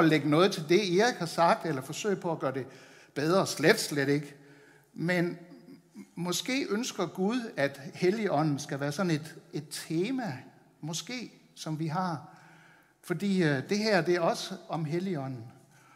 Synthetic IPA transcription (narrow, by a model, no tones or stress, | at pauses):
ɒleɡ̥ənɔ̽ːð̞̩ˠt͡sʰe̝ld̥e̝iʁiɡ̥hɑ̈sɑ̈ɡ̥̚d̥elɐfɒ̽sø̰ɪ̰pʰɒ̽æɡ̥ɶːɐd̥e̝ | b̥eð̞ˠʁɐsled̥sleɾ̥e̝ɡ̥ | men | mɒ̽sɡ̥e̝̰ːʔønsɡ̥ɐɡ̥uðˠæd̥heliɒ̽n̰n̩sɡ̥æʋæːɐsɒ̽ne̝d̥e̝d̥̚t͡sʰe̝ːmæ | mɒ̽sɡ̥e̝̰ː | sɒ̽mʋiɦɑ̈ | fɒ̽d̥ḭːd̥e̝ɦæɐ̰d̥e̝æɐɒ̽səɒ̽mɦeliɒ̽n̰n̩